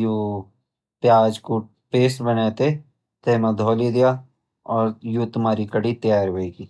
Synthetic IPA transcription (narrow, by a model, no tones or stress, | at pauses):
juː | pjaːd͡ʒko | peːsbəneːt̪e | t̪ɛːmãd̪ʱɔːlid̪ɪjaː | ɔːɾjuːt̪ʊmaːɾikəɽit̪jaːɾɦoeːɡiː